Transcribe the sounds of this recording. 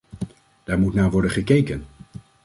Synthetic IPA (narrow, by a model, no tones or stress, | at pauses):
d̥aːɹmutnaːɹʋɔɹdənχəkejkən